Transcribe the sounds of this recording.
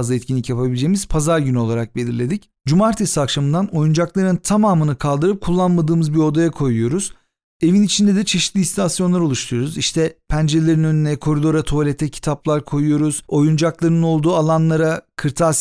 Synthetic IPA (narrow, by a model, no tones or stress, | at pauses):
zlˠaɛt̪cʰinlʲicjapʰabilʲd͡ʒe̞jimiz̥pʰazaɾɟyno̞lˠaɾak̚be̞lʲiɾlʲe̞d̪ic | d͡ʒumaɾt̪ʰesakʃamɯnd̪ano̞jund͡ʒaklˠaɾɯnt̪ʰamaːmɯnɯkʰalˠd̪ɯɾɯp̚kʰulˠːanmad̪ɯːmɯzbio̞d̪ajakʰo̞jujo̞ɾuz̥ | e̞vinit͡ʃʰind̪ɛd̪ɛt͡ʃʰe̞ʃi̥t̪lʲist̪ʰasjo̞nlˠaɾo̞lˠuʃt̪ʰujoɾuziʃt̪ʰɛpʰænd͡ʒelʲe̞ɾinø̞nynɛkʰo̞ɾid̪o̞ɾat̪ʰo̞lʲet̪ʰɛcʰi̥t̪ʰaplˠaɾkʰo̞jujo̞ɾuz̥o̞jund͡ʒaklˠaɾnɯno̞lˠd̪uːalˠanlˠaɾakʰɯɾt̪ʰa